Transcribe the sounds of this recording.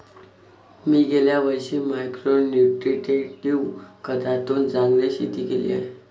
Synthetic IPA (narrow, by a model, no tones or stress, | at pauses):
miːɡeljaʋəjɕiːmajkɾonjuʈɾiʈeʈiʋkəd̪at̪ond͡zaŋɡleɕḭt̪iːkelḭːaɦe